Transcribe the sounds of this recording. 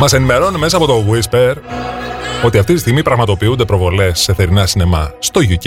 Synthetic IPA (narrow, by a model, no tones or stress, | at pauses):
mɐse̞nime̞ɾo̞nuneme̞s̬ɐːpo̞t̪o̞ɣwispeɾ | o̞t̪iɐft̪it̪ist̪iɣmipɾɐɣmɐt̪o̞piund̪e̞pɾo̞vo̞le̞sːe̞θe̞ɾinɐsine̞mɐst̪o̞ʝuc